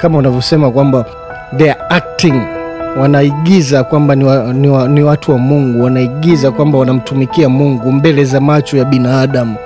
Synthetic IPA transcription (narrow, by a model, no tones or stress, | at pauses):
kamaunavjɔsɛmakwamba | ðɛaak̚tiŋwanaiɠizakwambaaniwatuwamuŋɡuwanaiɠizakwambawanam̩tumikiamuŋɡumbɛlɛzamat͡ʃɔjaɓinaːɗamu